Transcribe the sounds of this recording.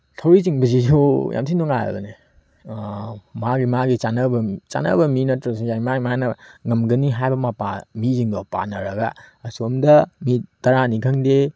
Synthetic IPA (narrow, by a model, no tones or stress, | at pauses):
tʰɐwɾiziŋbɐzizoja̰msʰindoŋajɐ̰bɐne | maɡimaɡit͡ʃanɐbɐt͡ʃa̰nɐ̰bɐminɐtɾɐs̬iŋzaimaimanɐŋɐmɡɐniɦajbɐmapa̰miziŋdɔpa̰nɐɾɐɡa̰ɐsomdɐmitɐɾanikʰɐŋde